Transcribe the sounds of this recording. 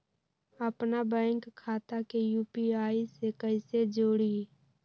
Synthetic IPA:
əpnabɛ̃ːŋkʰːaːt̪akejuːpiaːisekəɪsed͡ʒoːɽi

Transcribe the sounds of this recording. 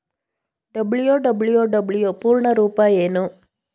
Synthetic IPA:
ɖɐbɭijoːɖɐbɭijoːɖɐbɭijoːpuːɾɳɐɾuːpɐjeːnu

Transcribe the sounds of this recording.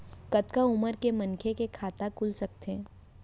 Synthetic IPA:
kɐt̪kaʊməɾkemɐnkʰekekʰaːt̪akʊlsɐk̚t̪e

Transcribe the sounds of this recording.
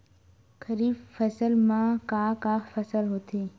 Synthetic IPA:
kʰəɾiːbfəsəlmãkaːkaːfəsəlɦot̪ʰeː

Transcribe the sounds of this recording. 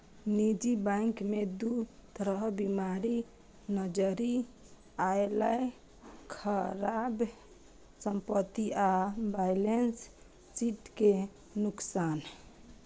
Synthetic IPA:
nid͡ʒibãŋkmed̪ut̪ɾəɦbimaɾi | nəd͡ʒəɾi | aelaj | kʰəɾab | səmpət̪ːiabajlens | t͡ʃiʈke | nuksan

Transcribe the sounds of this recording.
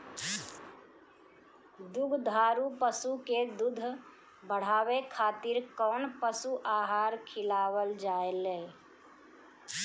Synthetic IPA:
d̪ʊɡʱd̪ʱaːɾupəsuked̪ʊd̪ʱ | bəɽ̤aːwekʰaːt̪ɪɾkɔːnpəsuʔaːɦaːɾkʰɪlaːwəld͡ʒaːeleː

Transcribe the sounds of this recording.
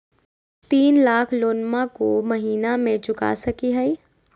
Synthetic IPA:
t̪iːnlaːkʰloːnmakomɐɦiːnamẽt͡ʃʊka̰sɐkiɦɛi

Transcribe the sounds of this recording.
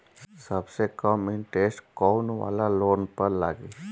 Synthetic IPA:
səbsekəmɪnʈeːsʈkoːnʋa̰ːlaloːnpəɾla̰ːɡi

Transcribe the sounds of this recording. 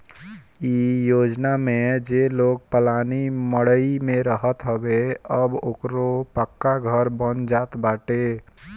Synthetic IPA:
ijod͡ʒnamed͡ʒeloɡ̚pəlaniməɽəimẽɾəɦət̪ɦəbeəbokɾopəkːaɡʱəɾbənd͡ʒat̪baʈe

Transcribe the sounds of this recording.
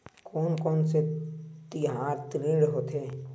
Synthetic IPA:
kʰɔːnkɔːnset̪ɪɦaːɾt̪ɾĩːɽɦoːt̪eː

